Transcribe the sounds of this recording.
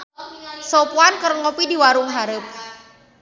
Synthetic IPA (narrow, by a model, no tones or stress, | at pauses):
sɔpuankərŋɔpidiwaɾʊŋɦaɾəp̚